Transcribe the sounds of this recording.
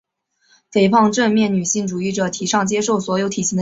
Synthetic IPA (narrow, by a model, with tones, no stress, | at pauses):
fe˧˥˩ɪpʰɑ˥˧ŋʈ͡ʂə˥˧nmjɛ˥˩nny˨˩ɕi˥˩ŋʈ͡ʂu˨˩i˥˩ʈ͡ʂɤ˨˩t̪ʰi˧˥ʂɑ˥˩ŋt͡ɕjɛ˥ʂo˥˩ʊswɔ˧˥jo˧˥ʊt̪ʰi˨˩ɕʰi˧˥d̪